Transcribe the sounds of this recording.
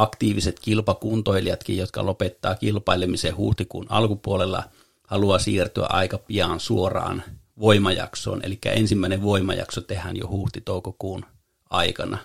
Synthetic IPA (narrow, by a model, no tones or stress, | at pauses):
ɑkt̪iːʋiset̪kilpɑkunt̪oiliɑt̪kijjot̪kɑ̰lopet̪ːɑːkilpɑilemisehṵːht̪ikṵːnɑ̰lkupuolelːɑ̰ | hɑluɑsiːrt̪yæ̰ʔɑikɑpiɑːnsuorɑ̰ːnʋoimɑjɑ̰kso̰ːnḛlikːæ̰ensimːæˑineʋʋoimɑ̰jɑ̰ksot̪ehænjo̰huːht̪it̪oˑukokuːn | ʔɑikɑnɑ